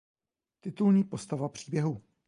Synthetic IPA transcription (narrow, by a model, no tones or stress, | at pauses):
t̪ɪt̪ulɲiːpo̞st̪avapr̥iːbjɛɦu